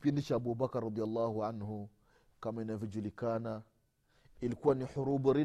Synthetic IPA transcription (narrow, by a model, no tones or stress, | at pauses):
pindiʃaabubakɾˤːɑd̪ˤijalˤːaːhuʕanhu | kaminavid͡ʒulikaːna | ilkuwaniħʊɾuːbɾi